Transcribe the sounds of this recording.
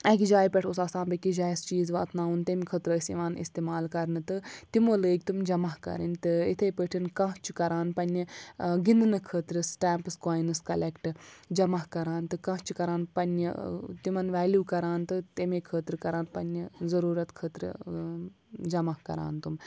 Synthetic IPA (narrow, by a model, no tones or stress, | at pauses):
ɐːkʲid͡ʒaːjpʲɛʈʰosaːsãːnbɐkid͡ʒaːjizt͡ʃiːzʋaːt̪ʰnaːunt̪emʲkʰəːt̪ɾoːisiʋaːnḭst̪eːmaːlkɐɾnɨt̪ɨt̪imoːləːɡ̚ʲt̪umd͡ʒɐmaɦkɐ̰ɾɐ̰nʲt̪ɨit̪ʰeːpəʈʰinkãɦt͡ʃʰukɐɾaːnpɐnʲiɡind̪ɨnɨkʰəːt̪ɾɨsʈaːmpɨskaːjnɨskɐlekʈd͡ʒɐmaɦkɐɾaːnt̪ɨkɐ̃ːɦt͡ʃʰikɐɾaːnpɐnit̪imɐnʋaːljuːkɐɾaːnt̪ɨt̪emeːkʰəːt̪ɾkɐɾaːnpɐnʲizɐɾuːɾɐt̪kʰəːt̪ɾɨ | d͡ʒɐmahkɐ̰ɾa̰ːnt̪um